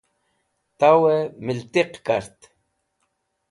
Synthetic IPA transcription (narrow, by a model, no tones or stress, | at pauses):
t̪awemilt̪iqkaɾt̪